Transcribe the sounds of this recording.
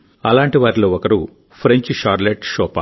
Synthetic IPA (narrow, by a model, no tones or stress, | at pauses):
ɐlaːɳʈiʋaːɾiloːɔkɐɾu | pʰɾeɲt͡ʃʃaːɾleʈʃɔːpa̰